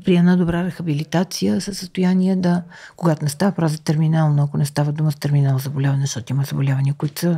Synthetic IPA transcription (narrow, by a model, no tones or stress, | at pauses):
pɾiɛnad̪obɾaɾɛxɐbilit̪at̪sijəsəsːəst̪ojaniɛd̪ɐkoɡat̪onɛst̪avəpɾavzət̪ɛɾminalˠnoɐkonɛst̪avəd̪uməzɐt̪ɛɾminalˠzɐbolʲavɐnɛzʃt̪ɔt̪oiməzɐbolʲavəniəkʊit̪sə